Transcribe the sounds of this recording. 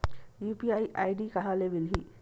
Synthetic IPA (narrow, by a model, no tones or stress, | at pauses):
jupiajʔajɖikaɦalebilɦi